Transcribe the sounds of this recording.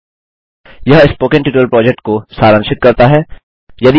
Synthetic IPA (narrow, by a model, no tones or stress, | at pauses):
jɐɦɪspoːkɪ̃ɳʈɪʈːəlpɾɔːd͡ʒɛk̚ʈ̚kosaːɾə̃ŋʃɪt̪̚kɐɾt̪aɦɛː | jɐd̪i